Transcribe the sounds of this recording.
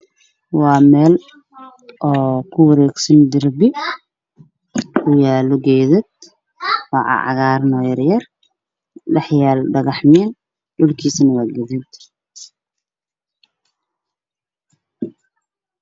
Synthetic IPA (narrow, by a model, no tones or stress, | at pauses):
wɑːmɛːl | ʔɔːkʰʊwɐɾɛːɡsɐnd̪ɪrbɪ | kʰʊjaːlɔɡɛjðɪd̪̚ | wɑ̰ːʕɑ̰ʕɑ̰ɣaːrnɔːjɐrjɐr | lɐħjaːlɖɐɣɐħmɛːn | ɖʊlkʰiːsnɐwaːɡɐðid̪